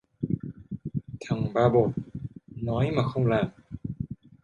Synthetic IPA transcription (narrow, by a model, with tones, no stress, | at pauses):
t̪ʰa˨˩ŋbaː˧˩bo˨˩t̪̚nɔː˨˦˥jmaː˧˩xo˧wŋ͡mlaː˨˧˩m